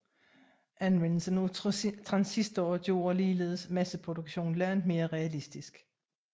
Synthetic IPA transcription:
ʔænensənot͡sʰʁɑ̈nsisd̥ɒːd̥jo̝̰ːɐliːle̝̰ːð̞ˠəsmæsəpʰʁo̝d̥oɡ̥ɕo̝̰ːnlæɐ̰nd̥me̝ːɐʁɛælisd̥isɡ̥

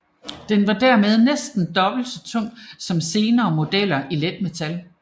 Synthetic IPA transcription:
d̥enʋɑ̈d̥æɐmeð̞ˠnesd̥n̩d̥ɒ̽b̥l̩sɒt͡sʰɔ̽ŋ̰sɒ̽mse̝ːnɐːmo̝d̥el̰ɐʔiled̥met͡sʰæl

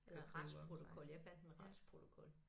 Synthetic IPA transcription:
elɡʁɑnspʰʁo̝t͡sʰo̝kʰɔ̽ljɑ̈ɪfæn̰d̥eʁɑ̈d̥spʰʁo̝t͡sʰo̝kʰɔ̽l

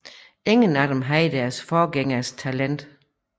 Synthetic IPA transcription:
e̝ŋənæd̥emɦɑid̥æɐsfɒːɡ̥eŋɐst͡sʰælen̰d̥

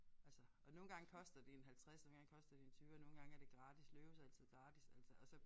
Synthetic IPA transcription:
ʔælsə | ɒ̽no̝ːn̩ɡ̥ɑ̈ŋ̰əkʰɒ̽sd̥ɐd̥eenɦælt͡sʰʁɛsno̝ːn̩ɡ̥ɑ̈ŋkʰɒ̽sd̥ɐd̥ient͡sʰyːʊɒ̽no̝ːn̩ɡ̥ɑ̈ŋæɐd̥e̝ɡ̥ʁɑ̈ːd̥islø̥ːəsæl̰t͡sʰið̞̩̰ˠɡ̥ʁɑ̈ːd̥isæl̰səɒsɒ̽

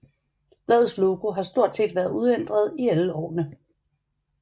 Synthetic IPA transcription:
b̥lɛːð̩ˠslo̝ɡ̥o̝ɦɑ̈sd̥o̝ɐ̰d̥se̝̰ːd̥ʋæːɐð̞ˠuð̞ˠen̰d̥ʁɐð̞ˠiæləɒ̰ːnə

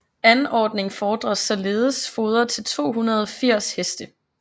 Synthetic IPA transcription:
ænɒːd̥ne̝ŋfɒːd̥ʁɐsɒ̽le̝ːð̩ˠəsfo̝ːð̞ˠɐt͡sʰe̝lt͡sʰo̝̰ːɦunɐð̞ˠɒfiɐ̰shesd̥ə

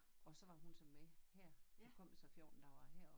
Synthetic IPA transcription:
ɒ̽sɒ̽ʋɑ̈ɦunsɒ̽mːehɛɐ̰̥ɒkʰɒ̽m̰esɒfjɔ̰ːnd̥ɑ̈ʋɑ̈ɦɛɐ̰

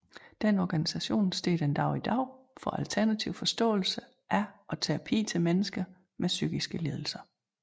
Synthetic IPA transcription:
d̥enɒɡ̥ænisæɕo̝̰ːnsd̥e̝̰ːd̥e̝nd̥ɑ̈ʊid̥ɑ̈ʊ̰ | fɒ̽ælt͡sʰæɐnæt͡sʰiʊ̰fɒ̽sd̥ɔ̰ːl̩sə | ʔæɒ̽t͡sʰeɐpʰḭːt͡sʰe̝lmenəsɡ̥ɐ | mesyɡ̥isɡ̥əle̝ðˠl̩sɐ

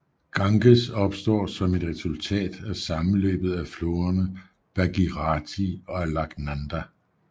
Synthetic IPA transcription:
ɡ̥ɑ̈ŋɡ̥əsɒ̽b̥sd̥ɒ̰ːsɒ̽me̝d̥ʁɛsult͡sʰɛ̰ːd̥æsɑ̈mn̩lø̰ːb̥ð̩ˠæflo̝ːɐnə | b̥æɡ̥iʁɑ̈t͡sʰiɒ̽ælɑ̈ɡ̥nænd̥æ

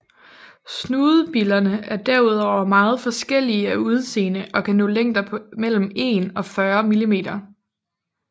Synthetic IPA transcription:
snuːð̩ˠb̥ilɐnəæɐd̥æɐuð̞ˠɒʊ̰ɐmɑ̈ːð̞̩ˠfɒ̽sɡ̥el̰iəæuð̞ˠse̝̰ːnəʔɒ̽kʰænɔ̰̽ːleŋ̰d̥ɐpʰɒ̽mel̰m̩e̝nɒ̽fɶɐmilime̝̰ːd̥ɐ

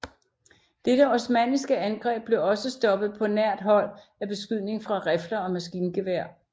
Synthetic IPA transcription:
d̥ed̥əɒsmænisɡ̥əænɡ̥ʁɛ̰ːb̥̚le̝ɒ̽səsd̥ɒ̽b̥ð̞̩ˠpʰɒ̽næɐ̰d̥ɦɒ̽l̰ | æb̥e̝sɡ̥yð̰ˠne̝ŋfʁɑ̈ʁefd̥ɐɒ̽mæsɡ̥iːnɡ̥e̝ʋæɐ̰

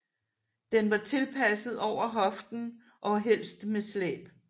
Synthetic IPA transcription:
d̥enʋɑ̈t͡sʰe̝lpʰæsð̞̩ˠɒʊ̰ɐɦɒ̽fd̥n̩ | ʔɒ̽ɦel̰sd̥meslɛ̰ːb̥

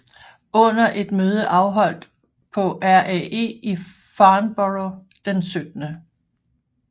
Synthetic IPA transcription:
ɔ̽n̰ɐʔe̝d̥møːð̞ˠəʔɑ̈ʊɦɒ̽l̰d̥ | pʰɒ̽ʔæɐʔɛe̝̰ːi | fɑ̈ːnb̥ɒʁo | d̥ensød̥nə

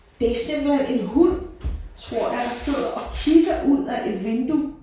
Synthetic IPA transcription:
d̥esem̰b̥l̩hene̝nɦul̰t͡sʰʁo̝ɐ̰hænse̝ð̞̰ˠɐʔɒ̽kʰiɡ̥ɐʔuð̰ˠæʔe̝d̥ʋe̝nd̥u

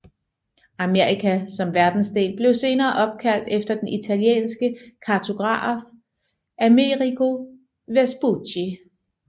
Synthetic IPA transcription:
æme̝ɐikʰæsɒ̽mʋæɐd̥n̩sd̥e̝̰ːlb̥le̝ʊse̝ːnɐːʔɒ̽b̥̚kʰæl̰d̥efd̥ɐd̥enʔit͡sʰæljḛːnsɡ̥əkʰɑ̈t͡sʰo̝ɡ̥ʁɑ̰̈ːf | ʔæmeʁikʰo̝ | ʋesb̥u̥i

